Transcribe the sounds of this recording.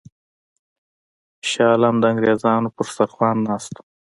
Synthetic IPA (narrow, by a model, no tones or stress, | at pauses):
ʃɑːlamd̪əaŋɡɾeːzɑːnopʊɾsaɾxwɑːnːɑːst̪